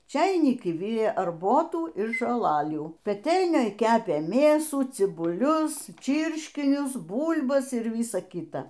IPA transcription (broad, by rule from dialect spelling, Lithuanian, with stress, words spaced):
ˈt͡ʃʲɛɪnʲɪkʲɪ ˈʋʲɪrʲeː ɐrˈboːtuː ɪr ʒoːˈlˠɑːlʲuː pʲɛˈtʲɛlʲnʲoːj ˈkʲæːpʲeː ˈmʲeːsuː t͡sʲɪbʊˈlʲʊs ˈt͡ʃʲiːrʲʃʲkʲɪnʲʊs ˈbuːlʲbɐs ɪr ˈʋʲiːsɐ ˈkʲiːtɐ